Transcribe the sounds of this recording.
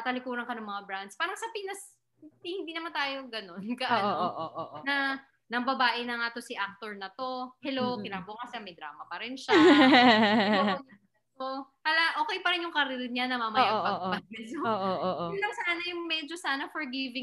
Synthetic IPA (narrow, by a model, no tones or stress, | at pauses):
ɐt̪ɐlɪkuːɾɐŋkɐnɐŋmɐŋabɾand̪spaːɾɐŋsɐpinɐs | ihɪnd̪iːnɐmant̪aːjoɡɐno̞nkɐʔaʔoonɐ | nɐŋbɐbaːʔɪnɐŋaːt̪o̞siʔak̚t̪o̞ɹnɐt̪o̞hɛlowkɪnaːbʊɐŋkɐsamɐjd̪ɾa̰ːmɐpɐɾɪnʃa | oj | ɐ | opalaʔo̞ːkɛjpɐɾɪnjʊŋkɐɾɪɾɪd̪̚ɲanɐmamɐjaɡpɐpɐs̚mɛsooʔoʔoʔulɐŋsaːnɐjʊŋmɛd͡ʒosaːnɐfoɹɡivɪ